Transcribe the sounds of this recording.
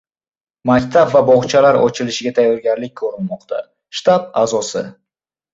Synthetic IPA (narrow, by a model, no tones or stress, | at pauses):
makʲt̪ʰabvabɒʁt͡ʃʰalaɾɒ̰t͡ʃʰɪlɪʃɪɡʲat̪ʰajːɒɾɡʲaɾlɪk̚ʲkʰɵɾɪnmɒqt̪ʰa | ʃt̪ab̚azɒsɪ